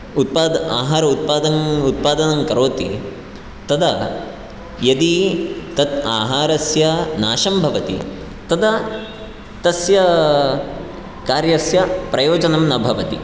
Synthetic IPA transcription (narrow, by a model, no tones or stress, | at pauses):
ut̪̚paːd̪aːɦaːɾɐut̪̚paːd̪ɐŋut̪̚paːd̪ɐnɐmkɐɾoːt̪i | t̪ɐd̪ɐ | jɐd̪it̪ɐt̪̚aːɦaːɾɐsjɐnaːʃɐmbʱɐʋɐt̪ḭ | t̪ɐd̪ɐ | t̪ɐsjɐ | kaːɾjɐsjɐpɾɐjoːd͡ʒɐnɐmnɐbʱɐʋɐt̪ḭ